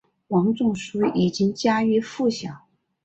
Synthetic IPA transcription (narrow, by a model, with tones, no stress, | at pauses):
wɑ˧˥ŋʈ͡ʂʊ˥˩ŋʂu˥i˨˩t͡ɕi˥ŋt͡ɕja˥y˧˥fu˥˩ɕjɑ˨˩˦ŋ